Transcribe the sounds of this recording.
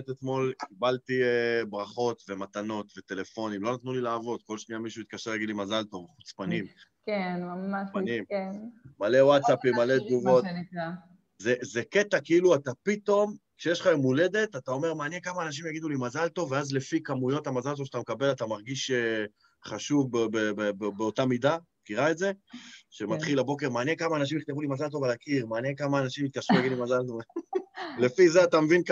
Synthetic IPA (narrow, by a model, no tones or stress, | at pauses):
t̪et̪mo̞lkibalt̪iebʁaχo̞t̪ve̞mat̪ano̞t̪ve̞t̪e̞le̞fo̞nimlo̞nat̪nulilaːvo̞d̪̚ko̞lʃniamiʃuit̪̚kaʃelaɡid̪limazalt̪o̞vχu̥t͡spanimkenmamaanimmale̞wat̪sapimːalet̪̚ɡuvo̞t̪a | zezeke̞t̪akiiluat̪apit̪o̞mkʃejeʃlaemule̞d̪e̞t̪atao̞me̞ʁmaːnjekamaːnaʃ̬imjaɡid̪ulimazalt̪o̞veazlefikamujo̞thamazalt̪oʃat̪amkabe̞lat̪amaʁɡiʃe | χaʃuvbbebebebeotamid̪a | kiʁaetze̞ʃemat̪χilabokeʁmaːnjekamaːnaʃ̬imiχt̪evulimazalt̪̬o̞valakiʁmaːnjekamaːnaʃimjit̪̚kaʃʁujaɡid̪ulimazalt̪o | lefizeat̪amevink